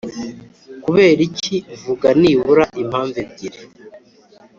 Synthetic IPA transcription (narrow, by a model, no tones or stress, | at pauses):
kuβe̞ːɾicivuɡaniːβuɾaʔim̥haːɱvebɟiɾe